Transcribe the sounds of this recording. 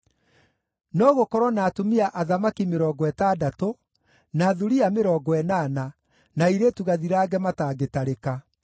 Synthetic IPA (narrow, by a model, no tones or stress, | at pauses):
nɔɣokɔɾwɔnaːtomiaʔaðamakimeɾɔːɡɔɛtaːdato | naːðuɾiameɾɔːɡɔɛnaːna | naiɾetuɣaðiɾaːɡɛmataːɡetaɾeka